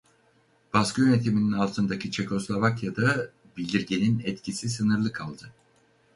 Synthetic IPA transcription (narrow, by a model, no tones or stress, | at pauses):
b̥askɯjø̞net̪ʰimininalˠt̪ʰɯnd̪acʰit͡ʃʰe̞kʰo̞slˠovakjad̪a | bilʲd̪iɾɟeninɛt̪cʰisisɯnɯɾlˠɯkʰalˠd̪ɯ